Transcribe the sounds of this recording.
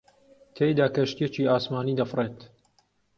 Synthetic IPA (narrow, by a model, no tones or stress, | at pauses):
t̪ʰejd̪aːkɐʃt̪jet͡ʃiːaːsmaːniːd̪ɐfreːt̪